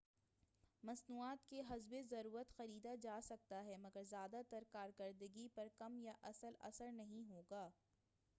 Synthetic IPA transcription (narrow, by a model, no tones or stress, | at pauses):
mɐsnuːaːt̪keɦɐzbezɐɾuːɾət̪xɐɾiːd̪ad͡ʒaːsɐk̚t̪aɦɛmɐɡəɾzjaːd̪at̪ɐɾkaːɾkɐɾd̪əɡipɐɾkɐmjaʔɐsəlɐ̰səɾnɐɦĩɦoːɡaː